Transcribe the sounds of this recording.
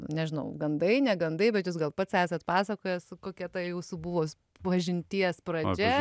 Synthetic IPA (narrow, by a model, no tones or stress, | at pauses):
nʲɛʒʲɪnɐʊɡɐnd̪ɐɪnʲɛɡɐnd̪ɐɪbʲɛt̪jus̬ɡɐlˠpɐt̪sæːsɐt̪pɑːsɐkoːjɛskoːkʲiɛt̪ɐjɛʊsʊbʊʋoː | ʋɐʒʲɪnʲt̪ʲiɛspɾɐd͡ʒʲɛ